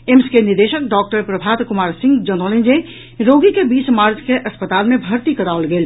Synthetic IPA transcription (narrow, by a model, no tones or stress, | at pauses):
emskenɪɾd̪eːʃək̚ɖɔːk̚ʈəɾpɾəbʱaːt̪kʊmaːɾsɪ̃ŋɡd͡ʒənd̪oːlẽnd͡ʒe | ɾoːɡikebiːsmaːɾd͡ʒkeʔɐspət̪aːlmẽbʱɐɾt̪ikəɾaolɡeːl